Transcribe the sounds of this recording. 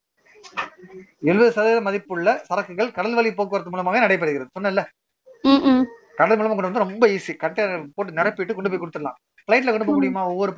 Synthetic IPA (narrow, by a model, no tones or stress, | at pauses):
ɛlɯʋɐðɯsɐðɐlɐmɐðɪpːɯɭːɐsɐɾɐkːɯɣɐɭkɐɽɐlʋɐɭipoːk̬ɯʋɐɾɐt̪ɯmuɭlɐmaːʋeːnɐɽɐɪpːɐɽɯɣɪɾɐðɯsɔnːɐɪlːɐ | kɐɽɐðɯmʊlɐmakɔɳɖɯɾɐnd̪ɯɾɔmbɐiːsikɐʈːɐpoːʈ̬ːɯnɛɾɐpːɪʈːɯkɔɳɖɯp̬oːɪkʊɽɯt̪ːɯɾɐlã̰ː | fɭɐɪʈ̬ːlɐkɔɳɖɯp̬ːɔɪmʊɽɪjɯmaːɔʋːɔɾɯ